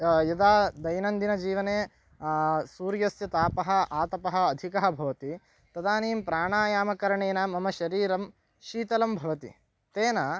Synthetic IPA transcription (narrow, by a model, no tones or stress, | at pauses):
jɐd̪aːd̪ɐjnɐnd̪inɐd͡ʒiːʋɐneː | suːɾjɐsjɐt̪aːpɐɦɐ̆aːt̪ɐpɐɦɐ̆ːd̪ʱikɐɦɐ̆bʱɐʋɐt̪i | t̪ɐd̪aːniːmpɾaːɳaːjaːmɐkɐɾɐɳeːnɐmɐmɐʃɐɾiːɾɐm | ʃiːt̪ɐlɐmbʱɐʋɐt̪ḭ | t̪eːnɐ